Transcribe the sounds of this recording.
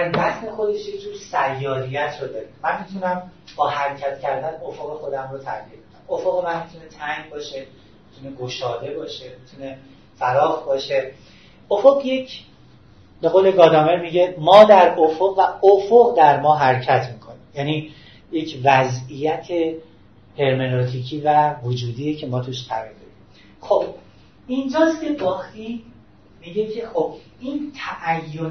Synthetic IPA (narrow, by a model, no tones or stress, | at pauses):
æɾbæsne̞xo̞d̪e̞ʃjecʰʲd͡ʒuːɾsæjːɒːɾijæt̪ʰrod̪ɒːɾimænmit̪ʰunæmbɒːhæɾecʰæt̪ʰcʰæɾd̪ænofoɣe̞xo̞d̪æmɾot̪ʰæʁjid̪mikʰamofoɣemænmit̪ʰune̞t̪ʰæŋɟbɒːʃe̞ | mit̪ʰune̞ɡo̞ʃɒːd̪e̞bɒːʃe̞mit̪ʰune̞ | fæɾɒːxbɒːʃe̞ | ofoɣje̞cʰ | be̞ɣoːle̞ɡɒːd̪æmveɾmiːɟe̞mɒːd̪æɾofoɣvæofoɣd̪æɾmɒːɦæɾcʰæt̪ʰmiːkʰo̞niːmjæːniː | je̞cʰvæzijæt̪ʰe̞ | he̞ɾmenot̪ʰicʰiːvævod͡ʒuːd̪ijecʰe̞mɒːt̪ʰuʃt̪ʰæɾild̪ed̪im | xob̥ | ind͡ʒɒːscʰe̞bɒːxt̪i | miːɟecʰe̞xob̥ | iːnt̪ʰæʔæjːon